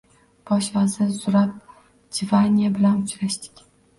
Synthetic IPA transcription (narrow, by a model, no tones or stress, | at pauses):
pɒɕvazɪzʊɾap̚ | d͡ʒɪvanʲabɪlanʊt͡ʃɾaɕt̪ɪ̥kʲ